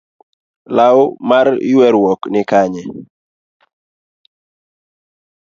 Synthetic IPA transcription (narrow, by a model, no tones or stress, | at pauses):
laʊmar̰jwɛɾwɔknɪkaɲɛ